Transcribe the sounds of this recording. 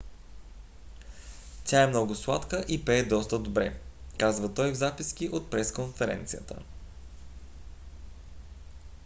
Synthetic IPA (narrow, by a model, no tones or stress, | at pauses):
tʲaɛmnɔɡʊslˠat̪kəʔipɛːd̪ɔst̪əd̪obɾɛ̰kazvət̪ɔjvzapisk̟iʔot̪̚pɾɛskonfɛɾɛ̰nt̪sijə̰t̪ə̰